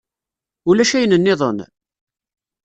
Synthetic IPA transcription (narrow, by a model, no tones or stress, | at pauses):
ulæʃæjənənːɪðˤən